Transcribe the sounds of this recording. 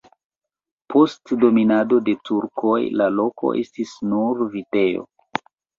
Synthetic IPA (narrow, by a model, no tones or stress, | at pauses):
po̞stdo̞minado̞de̞tuɾko̞jlalo̞ko̞̰ʔe̞̰stisnuɾvite̞jo̰